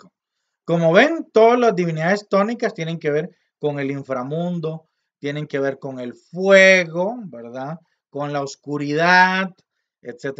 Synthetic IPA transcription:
o | ko̞mo̞βe̞nt̪o̞ðalazd̪iβiniðaðest̪o̞nikast̪je̞ne̞ŋke̞βe̞ɾ | ko̞ŋe̞liɱfɾamũnd̪o̞ | t̪je̞ne̞ŋke̞βe̞ɾko̞ŋe̞lfweɣo̞beɾða | ko̞nlaoskuɾiðað | et̪set̪

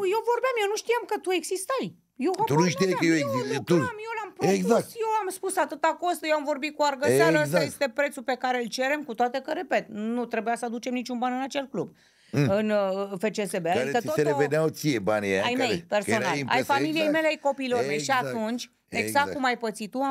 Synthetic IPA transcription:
jewvo̞rbeamjenuʃt̪ijamkət̪ue̞ɡsist̪aj | jewat̪unuʃt̪ijajkəjeweɡzit̪umjelampɾoeɡzakt̪jewamspusat̪ɨt̪akost̪jewamvo̞rbit̪̚kuarɡəsaɾəəzae̞st̪e̞pɾe̞t̪supe̞kaɾeɨlt͡ʃe̞ɾe̞mkut̪oat̪e̞kəɾe̞pe̞t̪nut̪ɾe̞bujasəad̪ut͡ʃemnit͡ʃunbanɨnat͡ʃe̞lklub | ɨnfe̞t͡ʃesebeadikətooteɾeveneawt̪sijebanʲia̰jme̞jpersonala̰jfamilijejme̞leajko̞piːlorme̞jʃiat̪unt͡ʃʲ | eɡzak̪̚kumajpət̪sit̪u

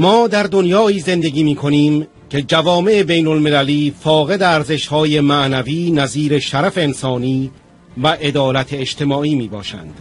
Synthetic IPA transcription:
mɒːd̪æɾd̪onjɒːiːze̞nd̪e̞ɡʲiːmiːkʰo̞niːm | kʰe̞d͡ʒævɒːme̞ʔebe̞jnolme̞læliːfɒːɣe̞d̪eæɾze̞ʃhɒːje̞mæʔnæviːnæziːɾe̞ʃæɾæfeːnsɒːniː | væʔe̞d̪ɒːlæt̪ʰeːt͡ʃt̪ʰe̞mɒːʔiːmiːbɒ̰ːʃæ̰nd̪̥

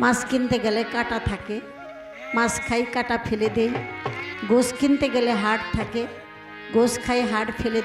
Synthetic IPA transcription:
mãskint̪eɡɛlekaʈat̪ʰake | mãskʰajkaʈapʰeled̪ej | ɡoskint̪eɡɛleɦaʈt̪ʰake | ɡoskʰajɦaʈpʰele

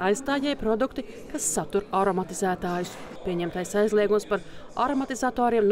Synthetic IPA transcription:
ajst̪aːjɛjpɾɔd̪ukt̪i | kasːat̪uɾaɾɔmat̪izæːt̪aːjus | pʲiɛɲɛmt̪ajsajzlˠiɛɡumspaɾa̰ɾɔmat̪izat̪oːɾiɛmn

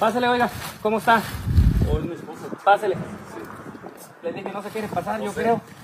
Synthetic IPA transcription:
paseleo̞jɣakomoest̪aojmiskusopaselei | leðixeno̞s̬e̞kjeɾepasaɾʝo̞kɾe̞o

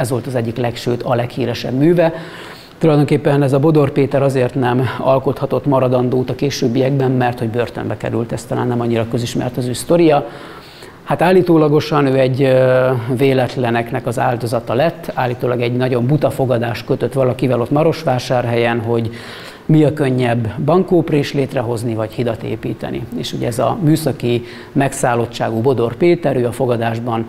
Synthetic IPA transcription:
ɛzʋo̞lt̪ɒzɛɟːiklɛkʃøːt̪ʰɒlɛkhiːɾɛʃɛ̰bmyːvɛ | t̪ulɒjd̪o̞ŋkeːpːɛnɛzɒbo̞d̪o̞rpeːt̪ɛɾɒzeːrt̪nɛmɒ̰lko̞t̪hɒt̪o̞t̪mɒɾɒd̪ɒnd̪oːt̪ɒkeːʃøːbːijɛɡ̚bɛmːɛrt̪ho̞ɟbørt̪ø̰mbɛkɛ̰ɾylt̪ɛst̪ɒla̰ːnːɛmɒɲːiɾɒkø̞ziʃmɛ̰rt̪ɒzøːst̪o̞ɾijɒ | hat̪aːlːiːt̪oːlɒɡo̞ʃɒnøːɛɟ | veːlɛt̪lɛnɛknɛkɒza̰ːld̪o̞zɒt̪ɒlɛt̪ːaːlːiːt̪oːlɒɡɛɟnɒɟo̞mbut̪ɒfo̞ɡɒd̪aːʃkøt̪ø̞t̪ʋɒlɒkivɛlo̞t̪mɒɾo̞ʃʋaːʃaːrɦɛjɛnɦo̞ɟ | miɒkø̞ɲːɛbːɒŋkoːpreːʃleːt̪rɛɦo̞znivɒchid̪ɒt̪ḛːpiːt̪ɛ̰nḭeːʃuɟɛ̰ɛzɒ̰myːsɒki | mɛksaːlo̞t͡ʃːaːɡubo̞d̪o̞rpeːt̪ɛɾøːɒfo̞ɡɒd̪aːʒbɒn

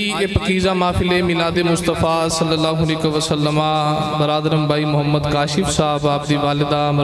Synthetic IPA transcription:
epəkiːzaːmãːfʰɪleːmɪlãːd̪eːmʊst̪əfaːsəlːəlaːɦʊniːkəʋəsəlːəmãːbəɾaːd̪əɾəmbaːiːmʊɦəmːəd̪kaːʃɪfsaːbaːb̚d̪iːʋaːlɪd̪aːm

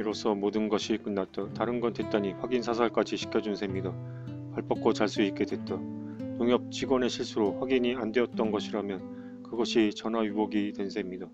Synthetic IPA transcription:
iɾosʰʌmodɯnɡʌɕʰikɯnːat̚t͈ataɾɯnɡʌnte̞t̚t͈aɲiɸwaɡinsʰasʰaɭk͈ad͡ʑiɕʰi̥kʰjʌd͡ʑunsʰe̞mɲida | paɭp͈ʌp̚k͈ot͡ɕaɭs͈uik̚k͈edwe̞t̚t͈anoŋjʌp̚t͡ɕiɡwʌne̞ɕʰiɭs͈uɾoɸwaɡiɲiandweʌt̚t͈ʌnɡʌɕʰiɾamjʌn | kɯɡʌɕʰit͡ɕʌnajubʌɡitwe̞nsʰe̞mɲida

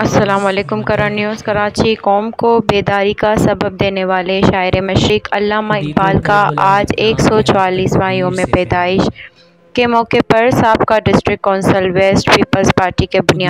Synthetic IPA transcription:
ɐsːɐlaːmɔleːkʊmkɐɾaːnjuːzkɐɾaːt͡ʃikɔːmkobeːd̪aːɾikasɐbəb̚d̪eːneʋaːleʃaːɪɾemɐʃɾɪkɐ̰lːaːmaɪk̚baːlkaaːd͡ʒeːksɔːt͡ʃʊaːliːsʋaːijõmẽpɛːd̪aːɪʃ | kemɔːkepɐɾsaːbkaɖɪsʈɾɪk̚kɔːnsəlweːsʈpiːpəlzpaːɾʈikebʊnijaː

